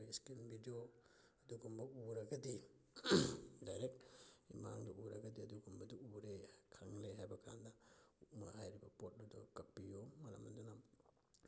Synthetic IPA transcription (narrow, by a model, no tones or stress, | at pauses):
iskinbʱidio | ɐduɡɔmbɐuɾaɡɐdi | dajɾekima̰ŋduuɾaɡɐdiɐduɡumbɐduuɾekʰaŋleɦajbakʰa̰ndɐuma̰hajɾibɐpot̚dudakɐk̚pijomaɾa̰mɐnduna